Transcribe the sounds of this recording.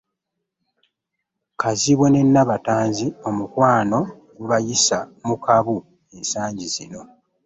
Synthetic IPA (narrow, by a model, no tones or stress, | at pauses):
kaziβwe̞ne̞nːaβataːnzio̞mukwaːno̞ | ɡuβajisamukaβu | e̞nsaːɲɟiz̥ino̞